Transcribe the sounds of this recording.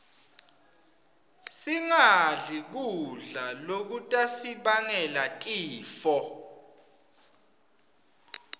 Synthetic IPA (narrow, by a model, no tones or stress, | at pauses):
siŋaɮik̬uɮalok̬utʼasiɓaŋɛlatʼiːfɔ